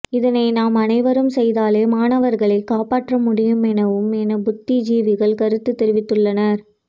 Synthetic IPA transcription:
ɪðɐnɐɪnaːmɐnɐɪʋɐɾɯmsɛjðaːleːmaːnɐʋɐɾɣɐɭɐɪkaːpaːʈrɐmʊɽɪjɯmɛnɐʋɯmɛnɐbʊt̪ːid͡ʒiːʋɪɣɐɭkɐɾɯt̪ːɯt̪ːɛɾɪʋɪt̪ːɯɭːɐnɐɾ

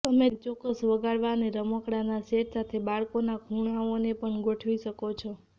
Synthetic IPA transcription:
t̪əmet͡ʃɔkəsʋəɡaɽʋaneɾəməkɽanaseʈsat̪ʰebaɭkonakʰuɳaonepəɳɡoʈʰʋiʃəkot͡ʃʰɔ

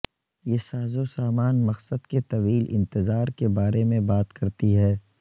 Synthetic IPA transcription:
jeːsaːzosaːmaːnmɐqsəd̪ket̪ɐʋiːlɪ̰̃nt̪ɪzaːɾkebaːɾemẽbaːt̪kɐɾt̪iɦɛː

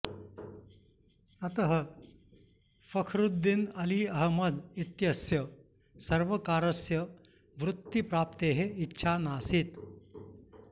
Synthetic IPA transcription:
ɐt̪ɐɦɐ | fɐkʰɾud̪ːinɐliɐɦmɐd̪it̪jɐsjɐ | sɐɾʋɐkaːɾɐsjɐ | ʋɾut̪ːipɾaːp̚t̪eːɦeitːʃʰaːnaːsit̪

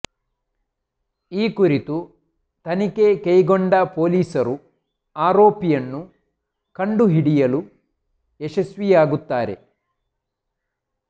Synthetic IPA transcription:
iːkuɾit̪u | t̪ɐnikekejɡoɳɖɐpo̞ːliːsɐɾu | aːɾoːpijɐnːu | kɐɳɖuɦiɽijɐlu | eʂɐsʋijaːɡut̪ːaːɾe̞̰

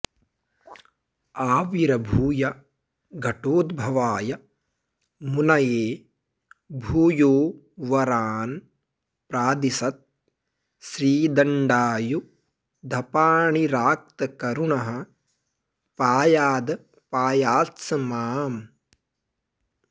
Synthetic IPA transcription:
aːʋiɾɐbʱuːjɐ | ɡʱɐʈoːd̪bʱɐʋaːjɐ | munɐjeː | bʱuːjoː | ʋɐɾaːn | pɾaːd̪isɐt̪̚ | ʃɾiːd̪ɐɳɖaːju | d̪ʱɐpaːɳiɾaːk̚t̪ɐkɐɾuɳɐɦɐ̆ | paːjaːd̪ɐ | paːjaːt̪sɐmaːm

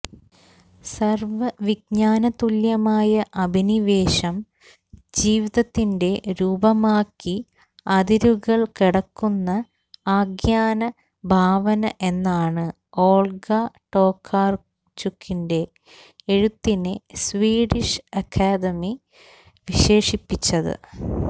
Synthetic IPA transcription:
sɐrʋɐʋiɡ̚ɲaːnɐt̪uljɐmaːjɐʔɐbʱiniʋe̞ːɕɐm | d͡ʑiːʋiðɐt̪ːinde̞ɾuːbɐmaːkːi | ɐd̪iɾuɣɐɭkiɽɐkːunːɐ | aːɡjaːnɐ | bʱaːʋɐnɐʔe̞nːaːɳɨ | oːɭɡɐʈo̞ːkʰːaːr | t͡ɕukʰːinde̞ː | ɻut̪ːinesʋiːɽiʂɐkʰːaːd̪ɐmi | ʋiɕe̞ːʂipːit͡ɕːɐðɨ̰

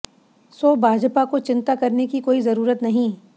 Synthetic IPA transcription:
soːbʱaːd͡ʒpakot͡ʃɪ̃nt̪akɐɾnekikoːizɐɾuːɾət̪nɐɦĩː

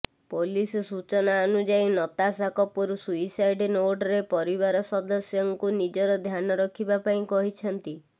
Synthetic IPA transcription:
polisɔsut͡ʃɔnaɔnud͡ʒainɔt̪asakɔpɔɾusuisajɖnoɖɔɾepɔɾiβaɾɔsɔd̪ɔsjɔŋkunid͡ʒɔɾɔd̪ʱjanɔɾɔkʰibapaĩkɔɦit͡ʃʰɔnt̪i

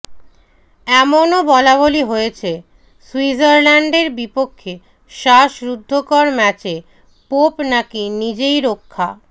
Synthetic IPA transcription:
ɛmonobɔlaβoliɦojet͡ɕʰe | suid͡ʑaɾlɛɳɖeɾbipokʰːe | ʃaʃɾud̪ʱːokɔɾmɛt͡ɕe | popnakinid͡ʑejɾokʰːa̰

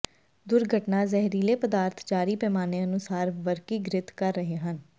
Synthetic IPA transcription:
d̪ʊɾɡʱəʈnazɛɦɾiːlepəd̪aːɾt̪ʰd͡ʒaːɾipɛːmaːneɐnʊsaːɾʋəɾkiɡɾɪt̪kɐɾːəɦeɦən

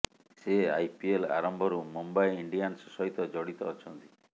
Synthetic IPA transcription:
sea̰jpiela̰ɾɔmbʱɔɾumumbajiɳɖijansɔsɔɦit̪ɔd͡ʒɔɽit̪ɔːt͡ʃʰɔnt̪i̥

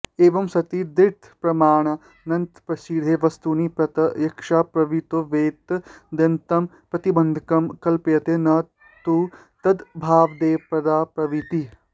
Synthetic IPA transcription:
eːʋɐmsɐt̪id̪ɪɾt̪ʰpɾɐmaːɳ̃ɐ | nɐnt̪pɾɐsid̪ʱeːʋɐst̪unipɾɐt̪ɐjɐkʃaːpɾɐʋit̪oʋeːt̪d̪ɐnt̪ɐm | pɾɐt̪ibɐnd̪ʱɐkɐmkɐlpjɐt̪eːnɐ | t̪u | t̪ɐd̪bʱaːʋd̪eːpɾɐd̪aːpɾɐʋit̪i

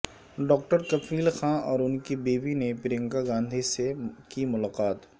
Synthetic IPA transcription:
ɖɔːk̚ʈəɾkɐfʰiːlxãːɔːɾʊnkibeːbinepɪɾẽŋkaɡãːnd̪ʱisekimʊlaːqaːt̪

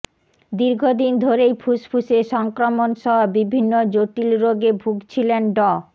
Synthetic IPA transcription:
d̪iɾɡʱod̪ind̪ʱoɾejpʰuspʰuseʃɔŋkɾomonʃɔɦobibʱinːod͡ʑoʈilɾoɡebʱuɡt͡ɕʰilenɖɔ

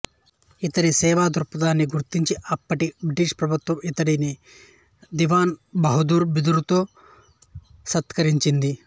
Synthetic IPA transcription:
it̪ɐɽisɛːʋaːd̪ʱuɾpɐd̪aːnːiɡuɾt̪iɲt͡ʃiʔɐpːɐʈibɾiʈiːʂpɾɐbʱut̪ʋɐmit̪ɐɽini | d̪iʋaːnbɐɦud̪uːɾbid̪uɾut̪oː | sɐt̪kɐɾiɲt͡ʃind̪i

